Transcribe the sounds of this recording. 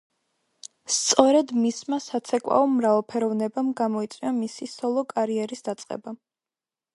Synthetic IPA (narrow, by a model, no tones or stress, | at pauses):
st̪sʼɔɾɛd̪mismasat̪sʰɛkʼwa̰ɔmɾavɛlˠpʰɛɾɔvnɛbamɡamɔit̪sʼwiamisisɔlˠɔkʼaɾiɛɾisd̪at̪sʼqʼɛ̰ba